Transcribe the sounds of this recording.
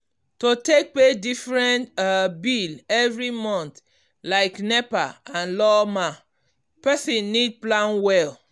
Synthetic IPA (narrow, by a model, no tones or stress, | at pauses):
totek̚pedifɹɛ̃ntbilɛvɹimɔ̃nt | laɪknɛpaãnlɔma | pɛsĩnːid̚plãnwɛl